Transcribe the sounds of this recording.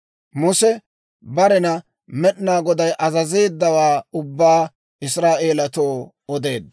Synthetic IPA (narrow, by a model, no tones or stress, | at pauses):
mʊsɛ | bɐɾɛnɐ | mɛɗnaːɡɔd̪ɐjʔɐzɐze̞ːd̪ːɐwaːʊbːaː | ɪsɾaːʔe̞ːlɐt̪oː | ɔd̪e̞ːd̪